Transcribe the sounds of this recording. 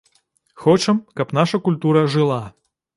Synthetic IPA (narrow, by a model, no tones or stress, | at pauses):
xɔt͡ʂɐmkɐpn̪aʂɐkulʲt̪uɾɐʐɨlˠa